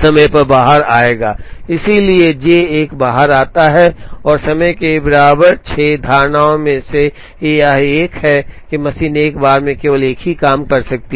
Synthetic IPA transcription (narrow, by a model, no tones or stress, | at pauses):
sɐməjpɐɾbaːɦəɾaːeːɡaːɪsilied͡ʒeeːkbaːɦəɾaːt̪aɦɛɔːɾsɐməjkebɪɾaːbəɾt͡ʃʰed̪ʱaːɾnaːõmẽse | eaɦeːkɦɛkimɐsiːneːkbaːɾmẽkeːʋəleːkʰɦikaːmkɐɾsɐk̚t̪i